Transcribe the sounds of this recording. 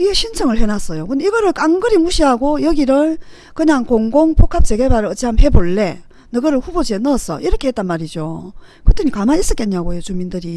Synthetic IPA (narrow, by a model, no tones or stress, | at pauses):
iɡeɕʰint͡ɕʰʌŋɯɭhe̞nas͈ʌjokɯndeiɡʌɾɯɭk͈aŋɡɯɾimuɕʰiɦaɡojʌɡiɾɯɭ | kɯɲaŋkoŋɡoŋpʰokʰap̚t͡ɕ͈e̞ɡe̞baɾɯɭʌt͡ɕʰiɦamhe̞boɭːe̞ | nɯɡʌɾɯɭɸubod͡ʑienʌːs͈ʰʌ̰ʔiɾʌkʰe̞het͈anmaɾid͡ʑo̰ | kɯt͈ɯɲikamanis͈ʌk͈eɲːaɡojot͡ɕumindɯɾi